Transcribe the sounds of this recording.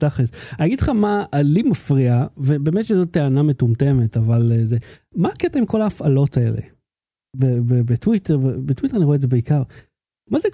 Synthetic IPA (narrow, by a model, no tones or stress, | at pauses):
taχesaniaɡidlχamaʔːlimafʁiavebeːmetʃezot̪ːeaname̞tumte̞me̞tavalezemaːketaimko̞laːfalo̞tae̞̰lḛ | bebebetwiteʁbebetwit̪eaniʁoetdzebeikaʁ | maze